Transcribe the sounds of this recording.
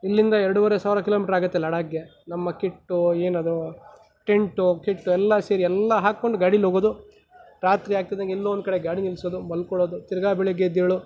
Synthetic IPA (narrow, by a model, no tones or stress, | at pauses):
ilːind̪ɐɛɾɐɽuʋɐɾesaːʋiɾɐkilomiːʈɾaːɡɐt̪ːelɐɽaːɡjenɐmːɐkeʈːueːnɐd̪u | ʈeɳʈukeʈːuɛlːɐseːɾiɛlːɐɦaːkːoɳɖuɡaːɽilɦoːɡoːd̪u | ɾaːt̪ɾiaːɡ̚t̪id̪ɐŋɡeɛlːoːond̪ukɐɽeɡaːɽinilsoːd̪umɐlkɔɭoːd̪ut̪iɾɐɡaːbɛɭeɡed̪eːɭu